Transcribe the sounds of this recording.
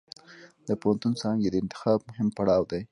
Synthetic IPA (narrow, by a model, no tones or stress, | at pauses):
d̪əpohant̪unsɑŋɡed̪əɪnt̪ɪ̥xɑb̚mʊhɪmpaɽɑwd̪aj